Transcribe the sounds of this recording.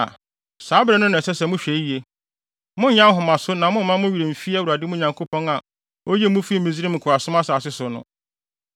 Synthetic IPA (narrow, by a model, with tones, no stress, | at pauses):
saː˨˦bɾɛ˦nʊ̃˦nʊ̃˨ɛ˨sɛ˦sɛ˨mʊ̃˦ɕᶣɛ˨i˦˨e˨ | mʊ̃˦ɲã˦ɦʊ˨mã˨sʊ˦nã˨mʊ̃˦m˦mã˦mʊ̃˦ɥi˨ɾe˨m̩˨fi˦a˦˨wu˨a˨dɪ˦mʊ̃˦˨ɲã˨ŋkʰo˦pʰɔ̃˦na˨ | o˦je˦mʊ̃˦fi˦mĩ˨zi˦ɾɪ˦m̩˨kʰʊ˨a˨sʊ̃˦mã˦saː˨sɪ˦sʊ˨nʊ̰̃˦